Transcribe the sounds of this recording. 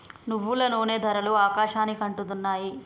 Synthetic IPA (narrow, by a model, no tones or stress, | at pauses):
nuʋːulɐnoːne̞ːd̪ʱɐɾɐluaːkaːʃaːnikɐɳʈud̪unːaːji